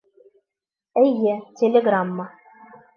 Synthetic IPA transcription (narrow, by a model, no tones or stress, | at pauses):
æjːɘtʲelʲeɡramːə